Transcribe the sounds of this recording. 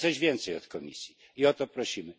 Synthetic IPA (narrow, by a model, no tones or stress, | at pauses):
ɔʑvʲjɛnt̪sɛjɔt̪kɔmʲḭsʲji | iɔt̪ɔpɾɔɕimɘ